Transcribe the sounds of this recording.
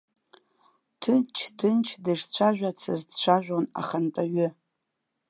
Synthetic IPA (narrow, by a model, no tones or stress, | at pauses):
tʰɨnt͡ʃʰdʰɨnt͡ʃʰdɨʂt͡ɕʷʰaʒᶣʷat͡sʰɨzt͡ɕʷʰaʒᶣʷona̰χant͡pʼaɥʏ